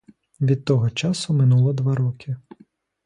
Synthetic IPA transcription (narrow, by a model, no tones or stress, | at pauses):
ʋʲid̪̚t̪ɔɦɔt͡ʃɑsʊmɪnulˠɔd̪ʋɑɾɔkʰʲɪ